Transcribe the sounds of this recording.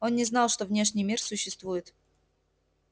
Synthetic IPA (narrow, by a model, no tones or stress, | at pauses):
o̞nnʲɪznɑlˠʂt̪ovnʲe̞ʂnʲɪjmʲirsʊɕːɪst̪vujɪt̪